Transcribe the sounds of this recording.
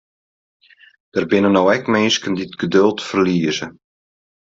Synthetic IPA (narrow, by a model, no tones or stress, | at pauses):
d̥ərbɪnənowɛkmeːskəndɪtɡ̥ədɵlˠtfərliːəzə